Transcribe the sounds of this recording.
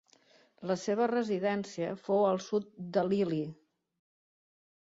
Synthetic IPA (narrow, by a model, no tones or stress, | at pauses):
ləseβ̞ərəziðɛnsiəfowəlˠsut̪̚d̪əlili